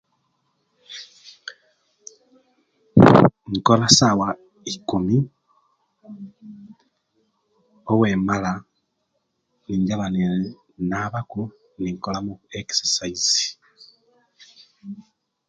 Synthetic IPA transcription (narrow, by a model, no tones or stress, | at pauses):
ŋkolasawa | ikumi | oweːmala | niɲɟaβane | naβaku | niŋkolamueki̥sesaizi̥